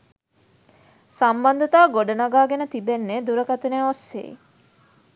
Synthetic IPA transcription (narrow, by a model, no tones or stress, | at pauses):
samband̪ət̪aːɡoɖənaɡaːɡenət̪ibenːed̪uɾəkat̪əneosːḛḭ